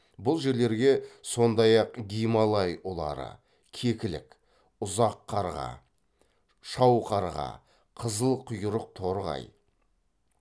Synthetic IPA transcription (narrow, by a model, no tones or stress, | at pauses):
bʊlˠʒe̞ɾle̞ɾɡʲe̞so̞nd̪ɑjɑqɡʲijmɑlˠɑjwolˠɑ̰ɾə̰ | kʲʰe̞kʲɪlɪ̰k | ʊzɑqʰːɑɾʁɑ̰ | ʃɑwqʰɑɾʁɑ̰ | qʰəzəlˠqʰʊjʊɾəq̚t̪ʰo̞ɾʁɑ̰j